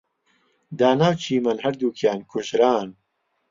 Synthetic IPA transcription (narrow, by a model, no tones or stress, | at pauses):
d̪aːnaːwt͡ʃʰiːmɐnɦɐɾd̪uːkʰjaːnkʰʊʃɾaːn